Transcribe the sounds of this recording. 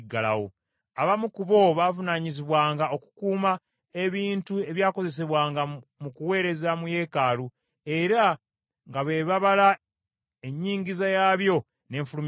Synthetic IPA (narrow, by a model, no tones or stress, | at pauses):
ɡala̰wo̰ | aβamukuβo̞βaːvunaɲiziβwaːŋɡao̞ku̥kuːma | e̞βiːntue̞βjaːko̞ze̞s̬e̞βwaːŋɡamukuwe̞ːɾe̞zamuje̞ːkalu | e̞ɾa | ŋɡaβe̞ːβaβala | eɲːiːɲɟizajaːβjo̞ | ne̞ːɱfulum